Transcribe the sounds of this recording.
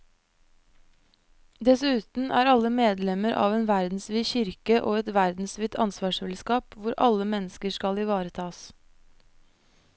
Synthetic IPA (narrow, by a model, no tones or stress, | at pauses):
d̪ɛsʉːt̪n̩ʔæ̰ːɾɑləmeːd̪lɛməɾʔɑ̰ːʋeːnʋæɾd̪n̩sʋiːçʏɾkəʔoːɛt̪ʋæɾd̪n̩sʋiːt̪ʰɑ̰nsʋɑːʃɛlskɑːpʋʊɾʔɑ̰ləmɛnəskəʃkɑliʋɑːɾət̪ʰɑːs